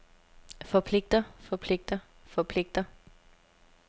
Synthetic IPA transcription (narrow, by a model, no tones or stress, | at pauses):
fɒ̽pʰle̝ɡ̥̚d̥ɐfɒ̽pʰle̝ɡ̥̚d̥ɐ | fɒ̽pʰle̝ɡ̥̚d̥ɐ